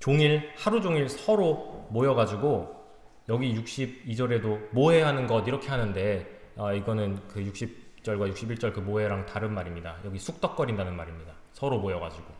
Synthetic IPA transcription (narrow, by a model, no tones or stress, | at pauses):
t͡ɕoŋiɭhaɾud͡ʑoŋiɭsʰʌɾomojʌɡad͡ʑiɡo | jʌɡijuk̚ɕ͈ib̚id͡ʑʌɾe̞domoɦe̞ɦanɯnɡʌdiɾʌkʰe̞ɦanɯnde̞ | aiɡʌnɯnkɯjuk̚ɕ͈ip̚t͡ɕ͈ʌɭɡwajuk̚ɕ͈ibiɭt͡ɕ͈ʌɭkɯmoɦe̞ɾaŋtaɾɯnmaɾimɲida̰jʌɡisʰuk̚t͈ʌk͈̚ʌɾindanɯnmaɾimɲida | sʰʌɾomojʌɡad͡ʑiɡ̥o